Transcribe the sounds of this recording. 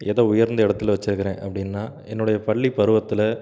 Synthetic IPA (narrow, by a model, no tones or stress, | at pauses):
ɛðɐʊjɐɾnd̪ɐɛɽɐt̪ːɯlʋɐt͡ʃːɯɾɯkːɐɪɾẽːʔɐpːɐɽɪnːaː | ɛnːʊɽɐjɐpɐɭːipɐɾɯʋɐt̪ːɪlɐ